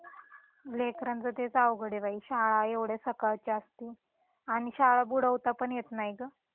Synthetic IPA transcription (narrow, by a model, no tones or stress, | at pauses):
lekɾənd͡zət̪et͡sawɡəɽeʋaiɕaɭaeʋɽjasəkaɭt͡ɕəst̪i | aɽ̃iɕaɭabuɽ̤əʋt̪apəɳjet̪najɡə